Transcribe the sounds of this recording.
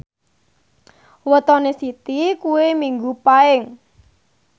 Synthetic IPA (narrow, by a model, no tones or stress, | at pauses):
wət̪ɔnesit̪ikuwemiŋɡupaɪŋ